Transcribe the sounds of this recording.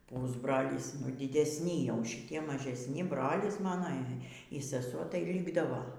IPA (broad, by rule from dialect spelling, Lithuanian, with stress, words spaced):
ˈpʊzbroːlʲiːs ˈnʊ dʲiːdʲɛsʲˈnʲɪ jɛʊ ʃʲɪˈtʲiɛ mɐʒʲɛsʲˈnʲɪ ˈbroːlʲɪs ˈmɑːnoː iː sʲɛˈsuɔ tɐɪ ˈlʲiːɡdɐʋoː